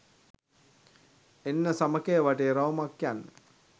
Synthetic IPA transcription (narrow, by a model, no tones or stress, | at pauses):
enːəsaməkejəʋaʈeɾaʋmakːjanːə